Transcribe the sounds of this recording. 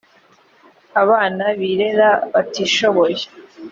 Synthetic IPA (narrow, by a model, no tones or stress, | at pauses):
aβaːnaβiːɾeɾaβatiːʃo̞βoje